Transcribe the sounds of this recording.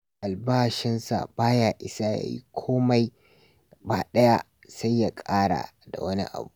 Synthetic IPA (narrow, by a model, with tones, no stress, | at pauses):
ʔa˨lbaː˦˨ʃɪ˦nsa̰˨baː˦jaː˨ʔɪ˨sa˦ja̰˨jḭ˦kʷʰoː˦ma˦j | baː˨ɗɐ˦ja˦ | sa˦jːa˨kʼaː˦ɽa̰ː˨da̰˨wɐ˦nḭ˦ʔa̰˨buː˦